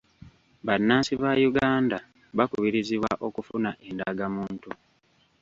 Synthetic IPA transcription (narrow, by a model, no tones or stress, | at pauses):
βanːaːsiβajuɡaːnda | βakuβiɾiziwa̰ʔo̞kufunaʔe̞nda̰ɡamuːntu